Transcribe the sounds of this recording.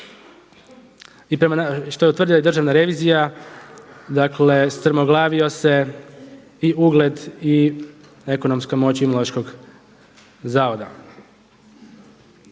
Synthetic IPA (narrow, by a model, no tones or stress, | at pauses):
ipɾe̞manaʃt̪oe̞ut̪r̩d̪ilajed̪rʒaʋnaɾe̞ʋiːzija | d̪akle̞st̪ɾ̩mo̞ɡlˠaːʋio̞se̞ | iuɡle̞d̪i | eko̞no̞mskamo̞t͡ɕumoloaʃko̞ɡ | zaːʋod̪a̰